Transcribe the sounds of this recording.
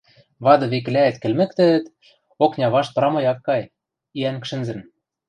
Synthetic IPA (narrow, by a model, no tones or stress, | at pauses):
βɑd̪ɤ̆βek̆læɘ̆t̪kɘ̆lmɘ̆kt̪ɘ̆ːt̪ | oknʲɑβɑʃp̪̆ɾɑmɤ̆jɑkːɑj | iæŋkʃɘ̆nzɘ̆n